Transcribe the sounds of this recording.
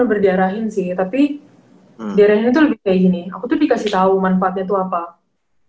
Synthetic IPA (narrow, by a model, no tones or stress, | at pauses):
abərdaaɾaɦɪnsɪht̪api | daɾahiɲat̪uləbikaid͡ʒinia̰kut̪udikasɪht̪aumanfaːt̪̚ɲat̪̬uapa